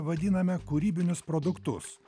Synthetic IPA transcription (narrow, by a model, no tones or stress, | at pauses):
ʋɐd̪ʲɪnɐmʲɛkuːɾʲiːbʲɪnʲʊspɾoːd̪ʊkt̪ʊs